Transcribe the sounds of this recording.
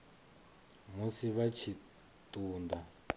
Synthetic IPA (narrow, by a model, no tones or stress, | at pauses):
musiβat͡ʃʰi | tuːnda